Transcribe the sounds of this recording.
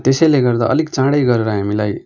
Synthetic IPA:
t̪esʌjleɡʌɾd̪a̰ʔʌ̰likt͡sãɽʌjɡʌɾeɾʌɦamilaj

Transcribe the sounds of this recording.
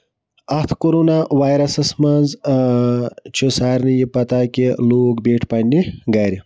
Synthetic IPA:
ɐt̪ʰkoɾunawaːjɾɐsɐsmɐnz | t͡ʃʰosaːɾnijipɐt̪aːkʲeloːkbeːʈʰpɐnʲiɡaːɾi

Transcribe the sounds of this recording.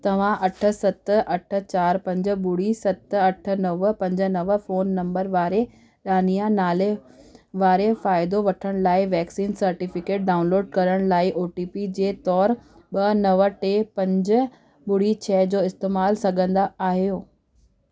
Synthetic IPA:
t̪ɐʋ̤ãʔɐʈʰə̆sɐt̪ʔɐʈʰə̆t͡ɕaːɾpɐ̃ɲd͡ʑə̆ɓʊɽ̤isɐt̪ɐʈʰə̆nɐʋpɐ̃ɲd͡ʑə̆nɐʋfoːnːɐ̃mbəɾʋaːɾe | ɗaːnijanaːleʋaːɾefaːɪd̪oʋɐʈʰəɽ̃laːɪʋɛːksiːnsɐɾʈɪfɪkeːʈ̚ɖaːʊ̃nloːɖ̚kɐɾəɽ̃laːɪʔoːʈiːpid͡ʑeːt̪ɔːɾ | ɓɐnɐʋəʈeːpɐ̃ɲd͡ʑʊ̆ | ɓʊɽ̤it͡ɕʰɛːd͡ʑoːɪst̪eːmaːlsɐɡʱə̃nd̪aaːɦijoː

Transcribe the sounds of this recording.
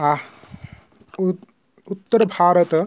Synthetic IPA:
a | ut̪ːəɾbʱaːɾət̪

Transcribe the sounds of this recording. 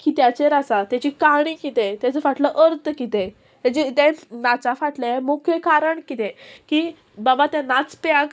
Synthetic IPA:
kit̪jat͡seɾasat̪jat͡ɕiːkaɽ̃ĩkit̪et̪jat͡səfaʈləʔəɾt̪əkit̪ẽ | t̪ɛt͡ɕit̪ɛ̃nat͡safaʈlamokʰjekaɾəɳkit̪ɛ̃ki | babat̪ɛ̃nat͡spak

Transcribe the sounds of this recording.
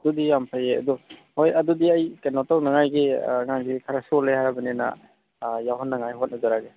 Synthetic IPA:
dɔdijampʰajeadɔhojadɔdiajkenɔtawnaŋajɡeŋaŋɡikʰaɾasɔlehaɾabanena̰ | jaɦɔnːaŋajɦot̚nazaɾaɡe

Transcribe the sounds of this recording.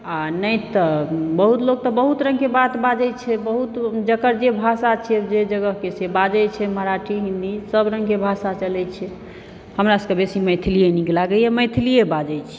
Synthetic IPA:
anəjt̪əbəɦut̪loɡ̚t̪ɔbəɦut̪ɾə̃ŋkebat̪bad͡ʒɛt͡ʃʰɛbəɦut̪d͡ʒəkəɾd͡ʒebʱasat͡ʃʰɛd͡ʒed͡ʒəɡəɦkesebad͡ʒɛjt͡ʃʰɛməɾaʈʰiɦĩnd̪isəbɾəŋɡkebʱasat͡ʃəlɛt͡ʃʰɛ | həmɾasəkebesiməjt̪ʰilijeniklaɡəɛməjt̪ʰilijebad͡ʒɛjt͡ʃʰɛ̥

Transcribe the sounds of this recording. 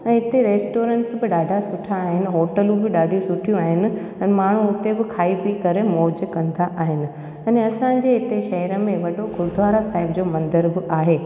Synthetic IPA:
ɛ̃ːɦɪt̪eɾeːsʈoːɾə̃ɳʈsbɪɗaːɖʱasʊʈʰaːɦɪnɪ̆ɦoːʈəlũbɪɗaːɖʱijũsʊʈʰijũaːɦɪnɪ̆ | ɛ̃nmaːɳ̤ũʊt̪ebɪkʰaːipikɐɾemoːd͡ʑkɐ̃nd̪aʔaːɦɪnɪ̆ | ɛ̃neɐsãɲd͡ʑeɦɪt̪eʃɐɦəɾəmẽʋɐɖoɡʊɾd̪ʱʋaːɾasaːɦɪbd͡ʑoːmɐ̃nd̪əɾbɪʔaːɦeː

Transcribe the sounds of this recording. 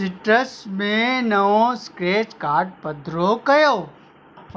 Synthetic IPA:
ɪʈəsmẽnɐʋõskɾeːt͡ʃkaːɾʈ̚pɐd̪ʱɾokɐjoː

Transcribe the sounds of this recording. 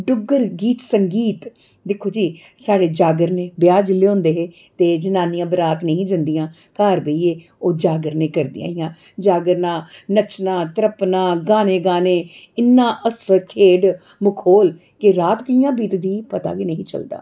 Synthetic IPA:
ɖʊɡːəɾɡiːt̪səŋɡiːt̪ | d̪ɪkʰːoːd͡ʒiː | saːɽeːd͡ʒaːɡəɾneːbɪjaːd͡ʒleõːnd̪eːɦeː | t̪eːd͡ʒənaːnijãːbəɾaːt̪nəɦĩːd͡ʒənd̪ijãː | kaːɾbeiːeː | oːd͡ʒaːɡəɾneːkəɾd̪ḭã̰ːɪjãː | d͡ʒaːɡəɾnãːnət͡ʃnãːt̪əɾəpnãːɡaːneːɡaːneː | ɪnːãːʔəskʰeːɖ | mʊkʰoːl | kɪɾaːt̪kɪjãːbiːt̪d̪iːpət̪a̰ːkiːnəɦĩːt͡ʃə̰ld̪a̰ː

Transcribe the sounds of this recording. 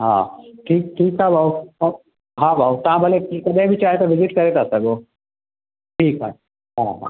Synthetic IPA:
ɦã̰ːʈʰiːk̚ʈʰiːkɦabʱaːu | ɦãbʱaːut̪ɐɦãbʱəlekikɐd̪ẽbʱit͡ʃaːɦet̪oʋɪzɪʈkɐɾet̪aːsɐɡoː | ʈʰiːkɦa̰ | ɦãɦã̰

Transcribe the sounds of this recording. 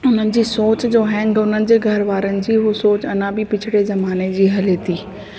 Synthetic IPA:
ʊn̤ənɪ̆d͡ʑiːsoːt͡ɕd͡ʑoːɦɛ̃ːŋɡʊnənɪ̆d͡ʑeːɡʱɐɾʋaːɾənɪ̆d͡ʑiːɦosoːt͡ɕɐnãbɪpɪt͡ɕʰɪɽezɐmaːned͡ʑiːɦɐleːt̪ʰiː

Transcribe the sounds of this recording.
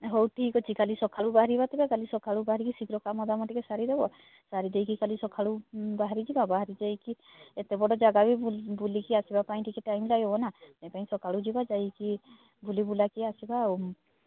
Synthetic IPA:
ɦowʈʰikɦɔt͡ʃʰikalisɔkʰaɽubaɦaɾibat̪ebakalisɔkʰaɽubaɦaɾikisikɾɔkamɔd̪amɔʈikesaɾid̪ebɔ | saɾid̪ejkikalisɔkʰaɽubaɦaɾid͡ʒibabaɦaɾid͡ʒajki | et̪ebɔɽɔd͡ʒaɡabibulikiasibapaĩʈikɛʈajmlajɦɔbɔnat̪aj̃paĩsɔkʰaɽud͡ʒibad͡ʒajki | bʱulibulakiasibaw

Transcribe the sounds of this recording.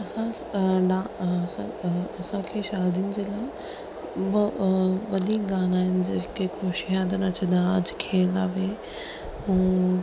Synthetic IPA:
ɐsã | ɗaːsãɐsãkʰeːʃaːd̪ʱiːnɪ̆d͡ʑeːlaːɪ | b | ʋɐd̪ikɡaːnaːɦɪnɪ̆d͡ʑekexoːʃɦãːt̪ɐnɐt͡ɕʰɐ̃d̪ãɐd͡ʑkʰeːɾaːʋe | ũː

